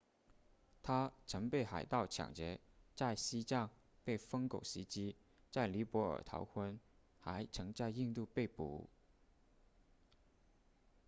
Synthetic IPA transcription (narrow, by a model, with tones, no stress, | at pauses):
t̪ʰa˥t͡sʰɤ˧˥ŋpe˥˩ɪxa˨˩ɪt̪ɑ˥˩ʊt͡ɕʰjɑ̰˨˩ŋt͡ɕjɛ˧˥ | t͡sa˥˩ɪɕi˥t͡sɑ˥˧ŋ | pe˥˩ɪfɤ˥ŋko˨˩ʊɕi˧˥t͡ɕi˥ | t͡sa˥˩ɪli˧˥pwɔ˧˥ə̰˞˨˩t̪ʰɑ̰˧˥ʊkʰwə˥n | xa˧˥ɪt͡sʰɤ˧˥ŋt͡sa˥˧ɪi˥˧nt̪u˥˧pe˥˩ɪpṵ˧˥